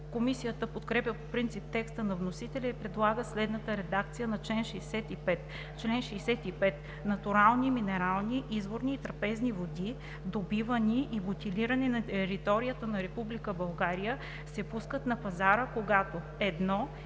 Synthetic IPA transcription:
komisijət̪əpot̪kɾɛpjəpopɾint̪sip̚t̪ɛkst̪ənɐvnosit̪ɛlʲɛipɾɛd̪lˠaɡəslɛd̪nət̪əɾɛd̪akt̪sijənɐt͡ʃlɛnʃɛːsɛt̪ipɛt̪ | t͡ʃlɛnʃɛjsɛt̪ipɛt̪ | nɐt̪uɾalˠniminɛɾalˠniʔizvoɾniːt̪ɾɐpɛznivod̪i | d̪obivəniʔːbot̪ʲiliɾɐnɛnɐt̪ɛɾit̪ɔɾijət̪ənɐɾɛpublikəbɐlˠɡaɾijə | sɛpuskət̪nɐpɐzaɾəkoɡat̪o | ɛd̪nɔ

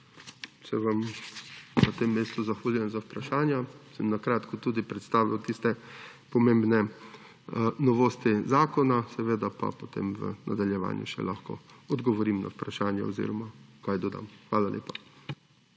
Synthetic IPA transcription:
sɛʋam | nat̪emːeːst̪uzaxʋaliɛnzawpɾaʃaːnjasɛmnakɾaːt̪kɔt̪uːd̪ipɾɛt̪st̪aːʋiwt̪ist̪ɛpɔmembnɛ | nɔʋoːst̪izaːkɔnasɛʋeːd̪apa̰pot̪ḛːmʋə̰nad̪aljɛʋa̰ːnjṵʃɛ̰lʔaxkɔ̰ɔd̪ɡɔʋɔɾiːmna̰upɾaʃaːnjɛɔzḭːɾɔmakajd̪ɔd̪a̰mxʋaːlalʔḛːpḁ

